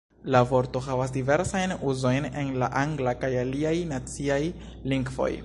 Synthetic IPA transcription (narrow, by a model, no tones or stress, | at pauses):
lavo̞ɾto̞ɦavas̬dive̞ɾsajnuzo̞jnenla̰ʔaŋɡlakajaliajnat͡siaj | liŋɡvo̞̰j